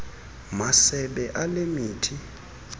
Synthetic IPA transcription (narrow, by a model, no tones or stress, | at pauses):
masɛɓɛʔalemiːtʰi